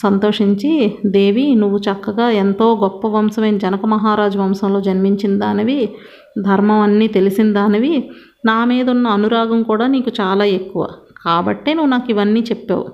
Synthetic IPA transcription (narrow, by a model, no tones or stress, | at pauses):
sɐnt̪o̞ːʂiɲt͡ʃid̪e̞ːʋinuʋːut͡ʃɐkːɐɡaːent̪o̞ːɡɔpːɐʋɐmsɐmɐjnɐd͡ʒɐnɐkɐmɐɦaːɾaːd͡ʒɐʋɐmsɐmlo̞ːd͡ʒɐnmiɲt͡ʃind̪aːniʋi | d̪ʱɐɾmɐmɐnːiːt̪e̞lisind̪aːniʋi | naːmiːd̪ɐunːɐːnuɾaːɡɐmkuːɽaːniːkut͡ʃaːlaːe̞kːuʋa̰ːkaːbɐ̰ʈːeːnuʋːnaːkiʋɐnːiːt͡ʃepːḛːwṵ